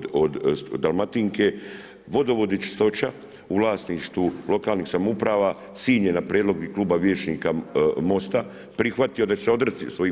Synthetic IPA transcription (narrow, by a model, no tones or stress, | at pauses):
od̪d̪alˠmat̪iŋke̞ | ʋo̞d̪oʋo̞d̪it͡ʃi̥st̪o̞t͡ʃa | uʋlaːsniʃt̪ʋulo̞kaːlnixsamupɾaːʋa | siːɲenapɾjed̪lo̞ɡikluːbaʋje̞ːt͡ʃnikamo̞st̪a | pɾixʋat̪io̞d̪at͡ʃeseo̞d̪ɾt̪isʋo̞i